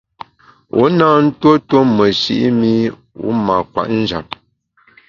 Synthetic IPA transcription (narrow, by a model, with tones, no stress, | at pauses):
ṵ˦naː˦n̩˦two˦two˦mə˨ʃi˦ʔi˦mi˦ | ṵ˨˦ma˨kwa̰˨ʔn̩˦d͡ʒa˨p̚